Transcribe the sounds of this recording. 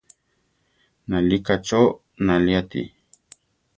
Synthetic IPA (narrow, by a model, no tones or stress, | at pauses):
nalikat͡ʃo | naliat̪ḭ